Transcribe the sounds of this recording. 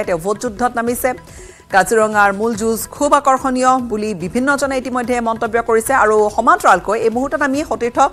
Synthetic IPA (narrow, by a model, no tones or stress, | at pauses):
ɛtɛbʱotzudʱːɔt̚namisɛ | ɡ̥aziɹɔŋaɹmulzuzkʰubakɔɹxɔnijɔbulibibʱinːɔzɔnaitimɔjdʱɛmɔntɔbjɔkoɹisɛaɹuxɔmatɹalkojejmuɦutːɔtamixotiɹtʰɔ